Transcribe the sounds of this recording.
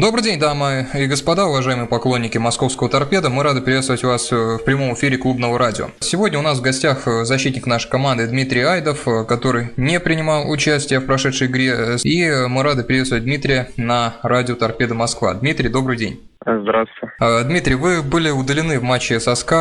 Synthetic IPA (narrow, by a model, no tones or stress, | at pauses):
d̪o̞bɾɨjdʲenʲd̪aməiɡəspɐd̪aʊvɐʐajɪmɨjəpɐklˠonʲːɪkʲɪmɐsko̞fskəvət̪ɐrpʲe̞d̪əmɨɾad̪ɨpʲɾʲɪvʲet̪st̪əvətʲʊvasfpɾʲɪmo̞mɪfʲiɾʲɪklˠubnəvəɾadʲɪo̰sʲɪvo̞dʲnʲəʊnasvɡɐsʲtʲaxzɐɕːit̪ʲnʲɪknaʂəjkɐmand̪ɨd̪mʲit̪ɾʲɪjajd̪əfkɐt̪o̞ɾɨjnʲepɾʲɪnʲɪmalˠʊt͡ɕæsʲtʲɪjəfpɾɐʂɛt̪ʂəjɪɡɾʲeimɨɾad̪ɨpʲɾʲɪvʲet̪st̪vət̚ʲd̪mʲit̪ɾʲɪjənɐradʲɪot̪ɐrpʲe̞d̪əmɐskva̰d̪mʲit̪ɾʲɪjd̪o̞bɾɨjdʲenʲ | zd̪ɾasʊ̥tʲɪd̪mʲit̪ɾʲɪjvɨbɨlʲɪʊd̪əlʲɪnɨvmat͡ɕːɪsɐska